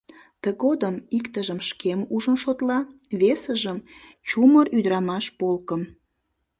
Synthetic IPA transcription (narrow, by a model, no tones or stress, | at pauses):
t̪əɣod̪əmikt̪əʒəmʃkemuʒənʃot̪lɑ | βesəʒəm | t͡ɕuməryd̪əɾɑmɑʃpolkəm